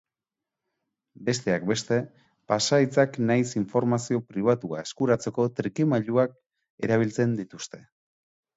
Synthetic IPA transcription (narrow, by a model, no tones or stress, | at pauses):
be̞s̬t̪e̞ak̚be̞st̪e̞ | pasait͡saknajsiɱfo̞ɾmasio̞pɾiβ̞at̪ua̰e̞skuɾat͡se̞ko̞t̪ɾikimaʎuak̚ | e̞ɾaβ̞ilt͡se̞nd̪it̪ust̪e̞̥